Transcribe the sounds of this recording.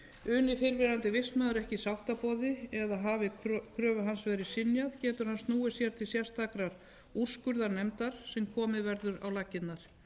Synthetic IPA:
ʏːnɪfɪɾvɪɾant̪ɪvɪsmœːðʏɾɛhcɪsawht̪apɔːðɪɛðaɦaːvɪkʰɾœːvʏɦansvɛːɾɪsɪnjaðcɛːt̪ʏɾ̥hanst̪nuːɪsjɛɾ̥t̪ʰɪlsjɛ̥st̪ʰakɾaɾ̥ | ur̥skʏɾðaɾnɛmt̪aɾ̥sɛmkʰɔːmɪvɛɾðʏɾa̰wlacːɪt̪naɾ̥

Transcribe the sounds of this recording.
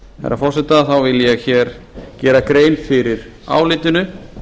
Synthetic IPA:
ha̰ɾːa̰fɔr̥sɛt̪aθawvɪljɛɣçɛːɾ̥ | cɛːɾakɾeːjnfɪɾɪɾ | a̰wlɪːt̪ʏnʏ

